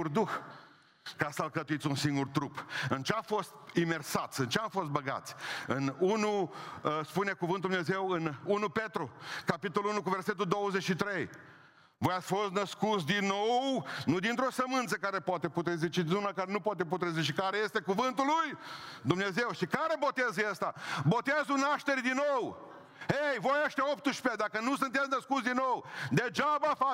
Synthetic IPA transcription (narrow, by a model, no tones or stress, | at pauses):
urd̪ux | kasəlkət̪uit̪sʲunsiŋɡurt̪ɾupɨnt͡ʃeafost̪imersat̪sʲɨnt͡ʃeamfo̞st̪̚bəɡa̰t̪sʲɨnunu | spune̞kuvɨnd̪umneze̞wɨnunupet̪ɾukapit̪oluunuk̬uverset̪ud̪owəzet͡ʃʃit̪ɾe̞j | vojasʲfo̞st̪nəskut̪sʲd̪inːownʊ̃d̪ĩnt̪ɾosɐmɐ̃nd̪sekaɾɐpɔt̪eput̪ɾezit͡ʃid̪nũnɐkaɾɐnɐ̃w̃pɔt̪̬ep̬ut̪ɾeziʃt͡ʃikaɾɐest̪ɛkuvɐ̃nt̪ʊlujd̪omnezewsɪkaɾɐbot̪ezest̪ɐbot̪ezʊnaʃt̪eɾd̪ɪnow | ejvoeʃt̪ɛop̚t̪ʊʃpɛd̪akɐnũsɐ̃nt̪aznɐskuzd̪ɪnowd̪ed͡ʒabafa